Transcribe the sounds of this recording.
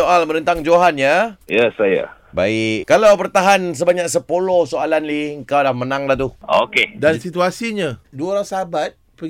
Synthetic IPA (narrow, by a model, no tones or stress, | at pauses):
oʔalmənənt̪aŋd͡ʒoɦanjajɛsaja̰ | ba̰ikalawbərt̪aɦans̬əbaɲak̚səpolohsoalanliəŋkawdahmənaŋlaht̪uo̰kedansit̪uasiɲaduaoɾaŋsəɦabat̪̚ | pə